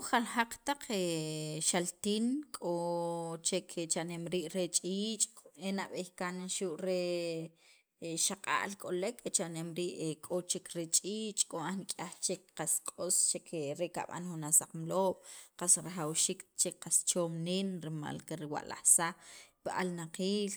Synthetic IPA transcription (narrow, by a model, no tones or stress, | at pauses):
χalxaq͡χt̪aq͡χeʃalt̪iːnkʼot͡ʃekʰet͡ʃaʔnemɾiːʔɾet͡ʃʼiːt͡ʃʼkʼenaʔɓehkanʃuʔɾe | ʃaqʼa̰ʔlkʼolekʰet͡ʃanemɾiːʔekʼot͡ʃekɾet͡ʃʼiːt͡ʃʼkʼoʔahnikʼaχt͡ʃekqaskʼost͡ʃekʰeɾeʔka̰ɓa̰nxunasaq͡χmloːɓ̥qasɾaχawʃiːkt͡ʃekqast͡ʃoːmninɾima̰lkeɾiwa̰ʔla̰hsaχpiʔalnaqiːl